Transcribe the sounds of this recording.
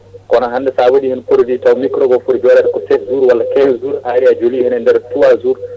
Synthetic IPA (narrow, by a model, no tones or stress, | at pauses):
kɔnaɦandɛsabədihənpuɾditɔwmikɾɔɡɔpuɾd͡ʒɔlaɾkɔsɛkzuɾwalːakɛnzuɾaɾiad͡ʒolihənɛndɛɾtuwazuɾ